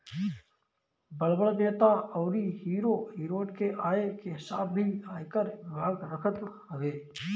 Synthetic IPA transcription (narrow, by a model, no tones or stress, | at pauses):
bəlbəɽbeːt̪aɔːɾiɦiːɾoɦiːɾoːɖkeʔaːekeɦɪsaːb̚bʱiaːjkəɾʋɪbʱaːɡɾəkʰət̪ | ɐɡeː